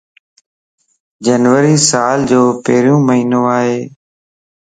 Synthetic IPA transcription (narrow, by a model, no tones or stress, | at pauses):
d͡ʒənʋəɾiːsaːld͡ʒoːpəɦɾjũːməɦiːnõːaːɦeː